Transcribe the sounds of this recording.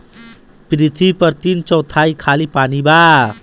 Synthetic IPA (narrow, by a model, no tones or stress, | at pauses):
prit̪ʰipʌrt̪int͡sʌwt̪ʰajkʰalipaniba